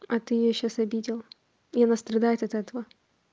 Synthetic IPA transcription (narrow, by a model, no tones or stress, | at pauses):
ɐt̪ɨɪjoɕːasɐbʲidʲɪlˠ | ɪɐnast̪ɾɐd̪ajɪt̪ɐt̪ɛt̪əvə